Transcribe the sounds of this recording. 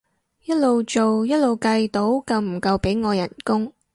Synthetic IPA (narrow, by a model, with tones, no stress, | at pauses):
jɐ˥t̚lo˨wt͡ʃo˨wjɐ˥t̚lo˨˧wkɐ˧jt̪o˨˥wkɐ˧wm̩˨˩kɐ˧wpe˨˥jŋɔː˨˧jɐ˨˩nkʊ˥ŋ